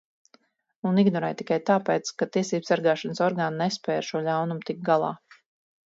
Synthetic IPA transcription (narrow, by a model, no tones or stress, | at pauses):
uniɡnɔɾɛ̰jt̪i̥kajt̪aːpɛːt̪skat̪iɛsiːbsaɾɡaːʃansɔɾɡaːnnɛspɛːaɾʃuɔʎawnumt̪ik̚ɡalˠɑ̰ː